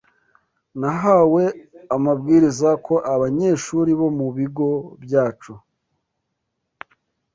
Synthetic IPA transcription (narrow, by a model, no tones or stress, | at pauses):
naɦaːwe̞amab̚ɡiːɾizakʰo̞ʔaβaɲe̞ːʃuɾiβo̞muβiɡo̞bjaːt͡ʃu